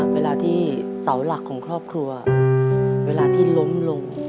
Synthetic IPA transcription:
weː˧laː˧t̪ʰiː˥˩sa˩˦wla˨˩kʰːɔː˩˦ŋkʰɾɔː˥˩p̚kʰɾu˧ɐa˨˩ | weː˧laː˧t̪ʰiː˥˩lo˦˥mlo˧ŋ

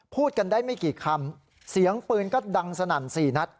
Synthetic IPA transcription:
pʰuː˥˩t̪̚ka˧ndaː˥˩jma˥˩jkiː˨˩kʰa˧m | si˩˦əŋpɯː˧nkɔː˥˩da˧ŋsa˧naː˨˩nsiː˨˩na˦˥t̪̚

